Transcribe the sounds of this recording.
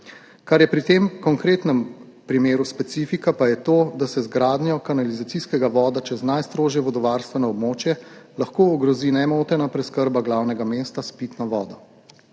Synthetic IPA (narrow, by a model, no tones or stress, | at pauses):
kaɾjɛpɾit̪emkɔŋkɾeːt̪nɛm | pɾimeːɾuspɛt̪siːfikapajɛt̪oːd̪asɛzɡɾaːd̪njɔkanalizat̪siskɛɡaʋɔːd̪at͡ʃɛznajst̪ɾoːʒjɛʋɔd̪ɔʋaɾst̪ʋɛnɔɔbmoːt͡ʃjɛlaxkoːɔɡɾɔzinɛmoːt̪ɛnapɾɛskəɾbaɡlawnɛɡameːst̪aspit̪nɔʋɔːd̪ɔ